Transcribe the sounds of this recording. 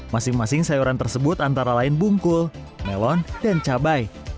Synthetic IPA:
masɪŋmasɪŋsajuɾant̪ərsəbʊt̪ant̪aɾalaɪnbuŋkʊl | mɛlɔndant͡ʃabaj

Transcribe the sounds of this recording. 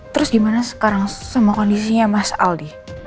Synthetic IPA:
t̪əɾʊsɡimanasə̥kaɾaŋsəmuakɔndisiɲamasa̰ldih

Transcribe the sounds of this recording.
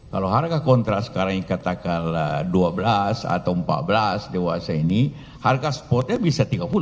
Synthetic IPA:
kaloɦarkakɔnt̪ɾasə̥kaɾaŋikat̪akalduabəlasa̰t̪awəmpa̰t̪̚bəlasdewasaini | harkaspɔt̪̚ɲabisat̪iɡapul

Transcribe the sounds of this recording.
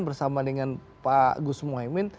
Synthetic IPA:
nbərsamadəŋanpaɡusmuaimɪn

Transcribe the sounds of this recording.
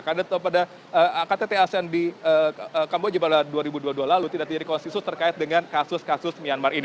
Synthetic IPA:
kadat̪pada | əkat̪et̪easɛndiəəkambod͡ʒapadaduaɾibuduadualalut̪idaʔkt̪id͡ʒadikɔnst̪it̪ʊst̪ərkaɪt̪̚dəŋankasʊskasʊsmianmarin

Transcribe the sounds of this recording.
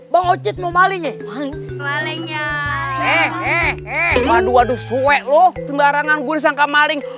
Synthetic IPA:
baŋot͡ʃɪt̪̚momalɪŋɛmali | maliɲaɛɛɛmaduadusuwɛʔlɔhsəŋɡaɾaŋanɡuɾis̬aŋkamalɪŋ

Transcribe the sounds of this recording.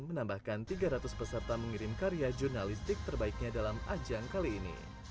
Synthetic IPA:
mənambahkant̪iɡaɾat̪ʊspəsərt̪aməŋiɾɪmkaɾiad͡ʒurnalist̪ɪk̚t̪ərbaik̚ɲadalamad͡ʒaŋkaliːnḭ

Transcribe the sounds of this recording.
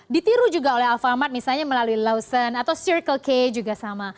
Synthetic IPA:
dit̪iɾud͡ʒuɡaolɛɦalfamat̪̚misalɲaməlaluilawsənat̪awsiɾkəlked͡ʒuɡasama

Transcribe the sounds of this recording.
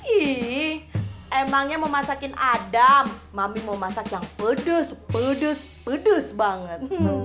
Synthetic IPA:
i | emaŋɲaməmasakɪnʔadamːamiməmasakjaŋpədʊspədʊs | pədʊsbaŋət̪̚

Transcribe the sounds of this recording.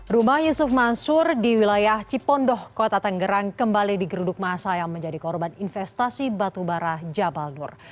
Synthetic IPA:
rumahjusʊfmansʊrdiwilajaht͡ʃipɔndɔhkot̪at̪əŋɡəɾaŋkəmbalidiɡəɾudʊk̚masajaŋməɲd͡ʒadikɔrbaninfɛst̪asibat̪ubaɾahd͡ʒabalnʊr

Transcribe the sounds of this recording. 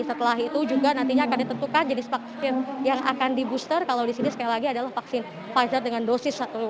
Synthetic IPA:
sət̪əlaɦit̪ud͡ʒuɡanant̪iɲaːkandit̪ənt̪ukand͡ʒənɪsfaksɪnjaŋʔa̰kandibust̪ərkalawdisinisə̥kajalaɡiadalahfaksɪn | fazərdəŋandosɪsat̪u

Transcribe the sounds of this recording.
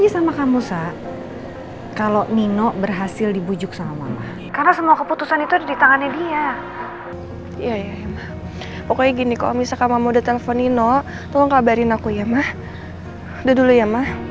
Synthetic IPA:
d͡ʒisamakamusaʔ | kaloninɔʔbərɦasɪldibud͡ʒʊk̚saama̰mah | karnasəmuakəput̪usanit̪uddit̪aŋanadia | jajajamah | pɔkoiɡinikao̰misakamamodat̪eləfɔnːinɔʔ | t̪ɔlɔŋkabaɾɪnakujamah | dadulujamah

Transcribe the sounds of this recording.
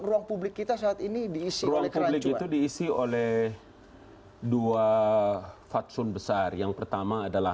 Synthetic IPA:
ruaŋpublɪkːit̪asaːt̪inidiːsiɾuaŋpublɪkit̪udiːsiolɛh | dua | fat̪sʊnbəsarjaŋpərt̪amaːdalah

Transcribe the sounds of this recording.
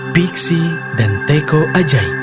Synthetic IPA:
piksi | dant̪ekoʔad͡ʒaj

